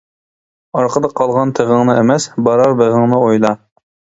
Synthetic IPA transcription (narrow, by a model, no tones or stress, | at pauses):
ɑɾqʰəd̪ɑqʰːɑlˠʁɑnt̪ʰeʁəŋnɨemɛsbɑɾɑɾbeʁəŋnɨojlˠɑ